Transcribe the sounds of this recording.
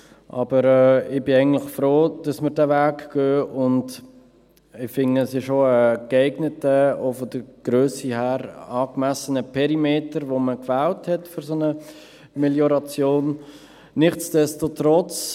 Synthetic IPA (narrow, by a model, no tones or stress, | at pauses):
ʔɑ̰bəɾɛɪbɪɛɪɡn̩tlɪχfɾoːd̥ɑsmɪɾdæːvæːkɡ̥øːʔʊnd | ɪfɪŋəəsɪʃoəkeɪɡnətəofod̪əɡ̥ɾøːsihæːɾɑːkmæsənəpʰɛɾimeːtəɾʋoməkvæːlthɛtfyɾsonə | mɛljoɾɑt͡sjoːnː | ɪχt͡sd̥ɛstotɾɔt͡s